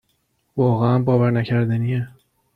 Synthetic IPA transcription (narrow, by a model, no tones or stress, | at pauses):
vɒːɣeænbɒːvæɾnæcʰæɾd̪ænije